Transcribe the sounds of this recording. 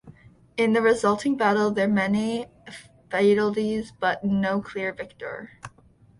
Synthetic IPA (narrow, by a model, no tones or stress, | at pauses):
ɪ̃nðɨɹɨzʌlˠtʰɪ̃ŋbæɾl̩ˠðə˞mɛni | feɪɾl̩ˠtizb̥ʌtⁿnoʊkʰl̥ɪɹvɪk̚tə̰˞